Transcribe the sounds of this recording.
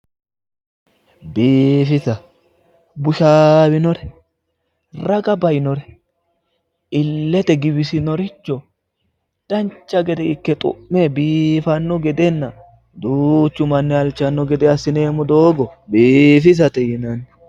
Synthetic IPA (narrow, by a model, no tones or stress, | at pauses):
biːfɪsɐ | bʊʃaːwɪnɔɾɛ | rɐɡɐbɐjnɔɾɛ | ɪlːɛt̪ɛɡɪbɪsɪnɔɾɪt͡ʃːɔ | d̪̥ɐnt͡ʃːɐɡɛd̪ɛɪkːɛt̪ʼʊ̰ʔmːebiːfɐnːɔɡɛd̪ɛnːɐ | d̪uːt͡ʃːʊmɐnːɛɐlt͡ʃːɐnːɔɡɛd̪ɛɐsːɪneːmɔd̪oːɡɔbiːfɪs̬ɐt̪ɛjɪnɐnɛ